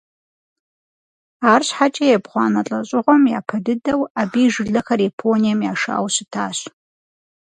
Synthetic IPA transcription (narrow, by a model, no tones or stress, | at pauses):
aːrɕħat͡ʃʼɐjɛbχʷɑːnɐt͡ɬʼɐɕʷʼɪʁʷɔmja̰ːpʰɐdɨdɐwabiːʐɨɮɨxɐrjepʰonijamjaːʂaʔa̰wsɨtʰaːɕ